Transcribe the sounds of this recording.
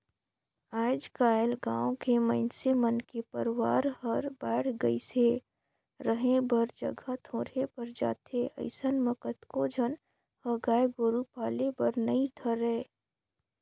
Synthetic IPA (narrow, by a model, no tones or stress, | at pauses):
aːɪd͡ʒkaːɪlɡãːõkemə̃ɪnsemənkepəɾwa̰ːɾhəɾbɛːɽ̤ɡə̰ise | ɾəɦẽbəɾd͡ʒə̰ɡʱat̪ʰoːɾepɐɾd͡ʒa̰ːt̪ʰeə̰ɪsənməkət̪kod͡ʒʱən | həɡaːjɡoːɾupaːlebəɾnəĩt̪ʰəɾɛː